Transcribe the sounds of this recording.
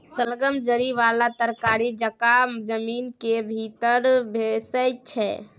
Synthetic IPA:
səlɡəmd͡ʒəɾiʋalat̪əɾkaɾid͡ʒəkad͡ʒəminkebʱit̪əɾbʱesəjt͡ʃʰɛ̰

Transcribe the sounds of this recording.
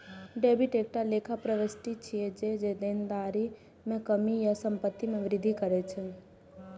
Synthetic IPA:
ɖeːbɪʈeːk̚ʈaleːkʰapɾəʋəsʈit͡ʃʰied͡ʒed͡ʒed̪eːnd̪aːɾi | mẽkəmijasə̃mpət̪ːimẽʋɾɪd̪ʱikəɾet͡ʃʰe

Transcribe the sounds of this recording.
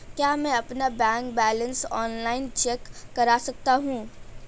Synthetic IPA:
kjaːmɛ̃ɐpnabɛ̃ːŋkbɛːlə̃nsɔːnlaːɪnt͡ʃeːkːɐɾasɐk̚t̪aɦũː

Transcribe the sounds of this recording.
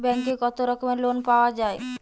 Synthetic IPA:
bɛŋkekɔt̪oɾɔkomelonpaoad͡ʑae

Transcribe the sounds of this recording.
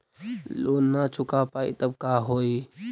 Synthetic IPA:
loːnːat͡ʃʊkapaːḭt̪əb̚kaːɦoːi

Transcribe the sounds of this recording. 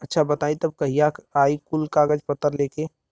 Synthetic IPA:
ɐtːʃʰabɐt̪aːĩt̪ɐb̚kɐɦijakaːikulkaːɡəd͡ʒpət̪ːəɾleːke

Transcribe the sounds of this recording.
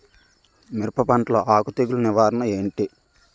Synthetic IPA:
miɾpɐpɐɳʈloːʔaːkut̪eɡuluniʋaːɾɐnɐe̞ːɳʈi

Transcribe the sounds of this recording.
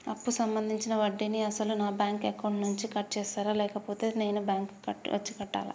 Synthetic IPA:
ɐpːusɐmbɐnd̪ʱiɲt͡ʃinɐʋɐɖːiniɐsɐlunaːbjaːŋkekɐwɳɖnuɲt͡ʃikɐʈ̚ːt͡ʃɛːsaːɾaːlɛːkɐpo̞ːt̪e̞ːne̞ːnubjaːŋkɐʈːɐ̰t͡ʃːikɐʈːa̰ːlɐ̰

